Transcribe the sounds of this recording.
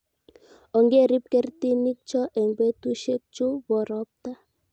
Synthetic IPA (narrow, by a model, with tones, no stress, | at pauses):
ɔ˨ŋɡe˦˨ɾi˦p̚kɛ˦rt̪i˦ni˦k̚t͡ʃɔ˦ʔɛ˨ŋɡe˦tu˦ʃe˦k̚t͡ʃo˦βɔ˨ɾɔ˦p̚t̪a˦